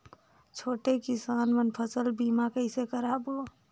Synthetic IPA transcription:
t͡ʃʰoːʈekɪsaːnmənpʰəsəlbiːmakəɪsekəɾaːbɦo

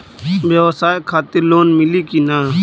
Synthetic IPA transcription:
bjɐwsaːekʰaːt̪ɪɾloːnmɪlikinaː

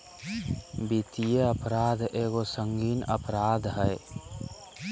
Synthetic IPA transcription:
bit̪ijeəpɾaːd̪eːɡosəŋɡiːnə̰pɾaːd̪ɦəe

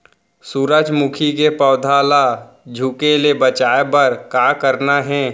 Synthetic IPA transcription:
suɾəd͡ʒmukʰikepɔːd̪ʱaːla | d͡ʒʱukelebət͡ʃaːebɐɾkaːkəɾnaɦɛ̃ː

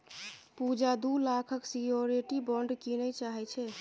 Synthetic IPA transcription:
pud͡ʒad̪ulakʰəksioɾiʈibɔɳɖkinət͡ʃaɦɛt͡ʃʰɛ

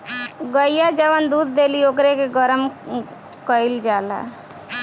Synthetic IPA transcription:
ɡəijad͡ʒəʋənd̪ud̪ʱd̪eliokɾekeɡəɾəm | kəild͡ʒaːla̰

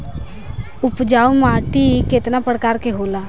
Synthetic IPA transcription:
ʊpd͡ʒaːumaːʈiket̪napəɽkaːɾkeɦoːlaː

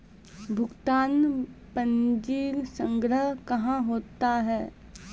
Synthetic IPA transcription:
bʱʊɡt̪aːnpənd͡ʒiːlsə̃ŋɡɾəɦkɐɦãɦoːt̪aɦɛː

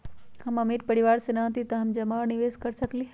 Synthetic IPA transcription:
hɐmɐmiɾpɐɽɪʋaːɾsenãt̪it̪ɐɦɐmd͡ʑɐmaːnɪʋeːzkɐɾsɐkliɦ

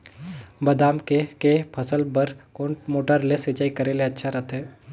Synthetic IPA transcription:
bɐd̪aːmkekepʰɐsəlbəɾkoːmoːʈəɾlesɪt͡ʃaːikɐɾeːleɐtːʃʰaɾɐt̪ʰɦɛː

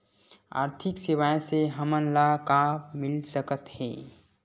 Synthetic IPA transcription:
a̰ːɾt̪ʰɪksɪwaːjseɦəmənlakamɪlsəkət̪hɛ̰̃ː

